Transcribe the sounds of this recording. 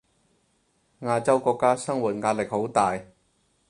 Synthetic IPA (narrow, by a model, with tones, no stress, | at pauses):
ŋaː˧t͡sɐ˥wkɔː˧kːaː˥sɐ˥ŋwuː˨t̚ŋaː˧t̚lɪ˨k̚ho˨˥wt̪aː˨j